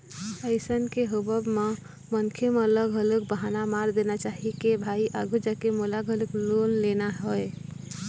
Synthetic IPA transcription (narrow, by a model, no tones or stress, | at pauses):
əɪsənkeɦobəbme | mənkʰemeələɡʱələk̚bəɦanamaɾd̪enat͡ʃaɦikebʱaiʔaɡʱud͡ʒakemolaɡʱələklonlenaɦoe